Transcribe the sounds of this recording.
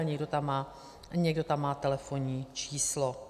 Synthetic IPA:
lɲɛɡdot̪amːaː | ɲɛɡ̚do̞t̪amːaːt̪ɛlɛfo̞ɲiːt͡ʃiːslo

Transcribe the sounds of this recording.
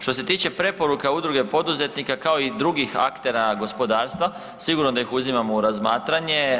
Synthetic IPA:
ʃt̪o̞s̬e̞t̪iːt͡ɕe̞pɾe̞po̞ɾukaud̪ɾuɡe̞po̞d̪uze̞t̪nikakao̞id̪ɾuɡixa̰kt̪e̞ɾaɡo̞spo̞d̪aːɾst̪ʋa | siɡuɾnod̪ajixuzimamoɾazmaːt̪ɾaɲe̞

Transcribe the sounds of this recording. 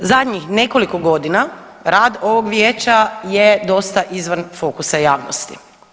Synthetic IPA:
zad̪ɲixne̞ko̞likoɡo̞d̪ina | ɾaːd̪oʋoɡʋjeːt͡ʃajed̪o̞st̪aʔizʋanfo̞kusajaːʋno̰st̪ḭ

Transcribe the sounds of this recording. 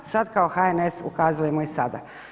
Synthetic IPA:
sad̪kao̞xaenesṵkazuje̞moisad̪a̰

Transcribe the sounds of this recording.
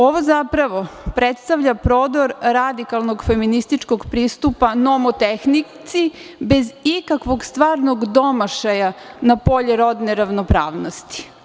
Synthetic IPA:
o̞ʋo̞zapɾaʋo̞pɾet̪st̪aʋʎapɾoːd̪oɾɾad̪ikalˠnoɡfeminist̪it͡ʃko̞ɡpɾiːst̪upanomot̪exnit̪sibezikakʋo̞ɡst̪ʋaːɾno̞ɡd̪o̞maʃajanapo̞ʎeɾo̞d̪neɾaʋnopɾaːʋnost̪i̥

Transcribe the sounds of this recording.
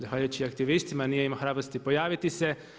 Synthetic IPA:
zaxʋaːʎujut͡ɕiakt̪iʋist̪simanijeimaxɾaːbɾost̪ipo̞jaːʋit̪ise̞

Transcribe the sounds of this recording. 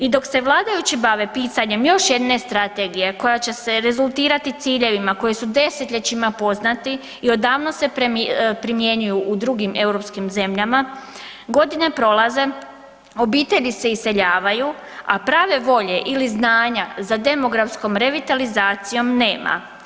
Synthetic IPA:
id̪o̞kse̞ʋlˠaːd̪ajut͡ɕibaʋe̞piːt̪aɲe̞mjo̞ʃje̞d̪ne̞st̪ɾat̪e̞ɡije̞ko̞jat͡ɕe̞se̞ɾe̞zulˠt̪iːɾat̪it̪siːʎe̞ʋimako̞jisud̪e̞set̪ʎʲet͡ɕimapo̞znat̪i | io̞d̪aːʋno̞se̞pɾpɾimje̞ɲujuʔːd̪ɾuɡime̞wɾo̞pskimze̞mʎama | ɡo̞d̪ine̞pɾo̞lˠaze̞ | o̞biːt̪e̞ʎise̞ise̞ʎaːʋaju | a̰pɾaːʋe̞ʋo̞ʎe̞ʔiliznaːɲazad̪e̞mo̞ɡɾafsko̞mɾe̞ʋit̪alizaːt̪sijo̞mne̞ːmʔa̰

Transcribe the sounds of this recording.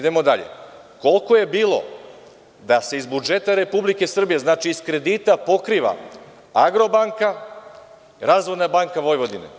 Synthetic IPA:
id̪e̞mo̞d̪aʎe̞̰ | ko̞lˠko̞je̞biːlo̞̰ | d̪ase̞izbud͡ʒe̞t̪aɾe̞publike̞sr̩bije̞znaːt͡ʃiːskɾe̞d̪iːt̪apo̞kɾiːʋa̰ | aɡɾo̞baŋka | ɾazʋoj̪nabaŋkaʋo̞jʋo̞d̪inḛ

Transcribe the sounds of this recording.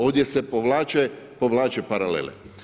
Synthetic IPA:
o̞d̪jesepoʋlaːt͡ʃe | po̞ʋlˠaːt͡ʃepaɾalḛlḛ

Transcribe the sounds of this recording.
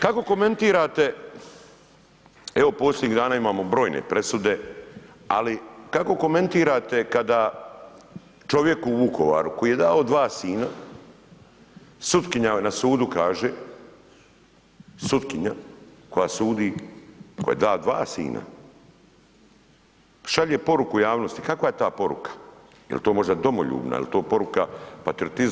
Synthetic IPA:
kako̞ko̞me̞nt̪iːɾaːt̪e̞ | e̞ʋo̞po̞sljed̪ɲiɣd̪aːnaːimaːmo̞bɾo̞ːjnḛpɾe̞sud̪e̞ | a̰likako̞ko̞me̞nt̪iːɾat̪e̞kad̪a | t͡ʃo̞ʋje̞kuːʋuko̞ʋa̰ːɾuko̞jiːje̞d̪aod̪ʋaːsiːna | sut̪kiɲanasuːd̪ukaːʒe | sut̪kiɲako̞jasuːd̪iko̞jed̪aːd̪ʋaːsḭːna̰ | ʃaʎepo̞ɾukujaːʋno̞st̪i̥kakʋaje̞t̪aːpo̞ɾṵkḁ | jḛlt̪o̞ːmo̞ʒd̪ad̪o̞moʎṵːbna̰jḛlit̪o̞ːpo̞ɾukapat̪ɾiot̪iz

